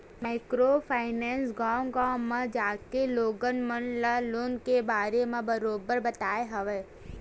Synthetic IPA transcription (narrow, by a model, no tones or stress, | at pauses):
maɪkɾopʰaːɪneːnsɡaːŋɡaːmːãd͡ʒaːkeloːɡənmənlaloːnkebaːɾemãbɐɾoːbəɾbɐt̪aːeɦɐʋeː